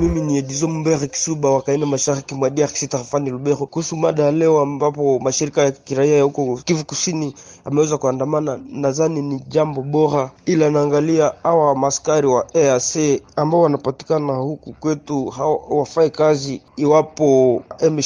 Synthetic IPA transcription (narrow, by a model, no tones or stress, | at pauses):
miminiɛɗizɔmumbɛɾɛki̥suɓawakainamaʃaɾikimwaɗiaki̥sitahafaniluɓɛɾɔkuhusumaɗaalɛɔambapɔmaʃiɾikajakiɾaiajahukɔkivukusiniamɛwɛzakuandamananaðaniniʄambɔɓɔɾailanaːŋɡaliaawamaskaɾiwaɛasɛambaɔanapati̥kanahukukwɛtuhawafaɛkaziːwapɔʔɛm